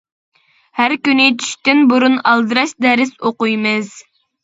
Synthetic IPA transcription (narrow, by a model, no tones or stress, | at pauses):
hæɾkʲynɪt͡ʃ̪ʰy̥ʃt̪ɪnbuɾunɑlˠd̪ɨɾɑʃd̪ɛɾɪsoqujmɨz